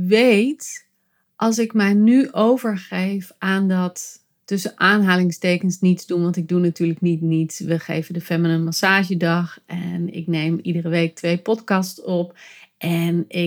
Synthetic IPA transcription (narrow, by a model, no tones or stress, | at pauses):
ʋejt | ʔɑlˠs̬ɪkmɛjnyʔowvəɹχejfaːndɑtː | ɵsəʔaːnɦaːlɪŋstejkənsnitzdunʋɑntɪɡ̚dunatyːɹləknitnitsʋəχḛjvəndəfɛmənənmasaːʒədɑχɛnɪ̰knejmidərəʋejk̚tʋejpɔtkɑstsɔpʔɛnɪ